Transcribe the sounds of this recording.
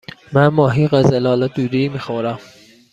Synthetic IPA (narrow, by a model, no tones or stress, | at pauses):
mænmɒːɦiːɢæzælɒːlæd̪uːɾiːmixoɾæm